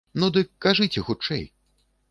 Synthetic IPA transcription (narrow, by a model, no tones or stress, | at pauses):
nud̪ɨkːaʐɨt͡sʲɛxut͡ʂɛ̰j